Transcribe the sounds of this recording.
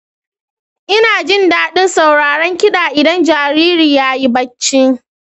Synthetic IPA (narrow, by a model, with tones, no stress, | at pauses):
ʔɪ˦naː˨d͡ʒɪ˦ndaː˦ɗɪ˦nsa˨wɽaː˨ɽɐ˦ŋkʲɪ˦ɗaː˨ʔɪ˨dɐ˦nd͡ʒaː˨ɾiː˦ɾiː˨jaː˦ji˦bɐ˦t͡ʃːɪ˦